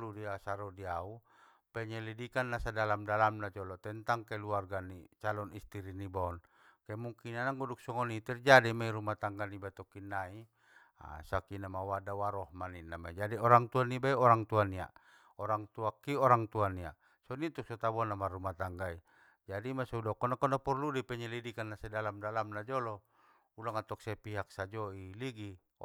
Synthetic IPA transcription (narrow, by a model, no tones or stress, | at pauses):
ludiasaɾɔdiau | pɛɲɛlidikanːasadalamdalamnat͡ʃɔlɔt̪ɛnt̪aŋkailuarɡanit͡ʃalɔnist̪iɾinibɔn | kaimuŋkinanaŋɡuduk̚sɔŋɔnit̪ɛrd͡ʒadimaiɾumat̪aŋɡanibat̪ɔkinːai | a̰sakinamawadawaɾɔhmaninːamaid͡ʒadiɔɾaŋt̪uanːibaiɔɾaŋt̪uania̰ʔ | ɔɾaŋt̪uakːiɔɾaŋt̪uania̰ | sɔnit̪uksɔt̪abɔnːamarumat̪aŋɡai | d͡ʒadimasɔudɔkɔnakɔnapɔrludipɛɲɛlidikanːasɛdalamdalamnad͡ʒɔlɔ | ulaŋat̪ɔk̚sɛpiɦak̚sad͡ʒɔiliɡi